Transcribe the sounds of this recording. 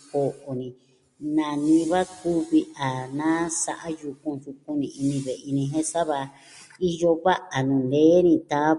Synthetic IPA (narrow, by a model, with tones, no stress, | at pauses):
ko˧ʔʔo˨nĩ˨ | nã˧˨nĩ˧βa˦ku˦βi˧ʔa˨nã˦sa˧ʔa˦ju˧kũ˧su˧kũ˦nĩ˧˨i˧nĩ˧βe˨i˧nĩ˧ɦẽ˦sa˦βa˧ | i˦˧jo˧βa˦ʔa˨nũ˨nd̪e˦nĩ˧t̪a˦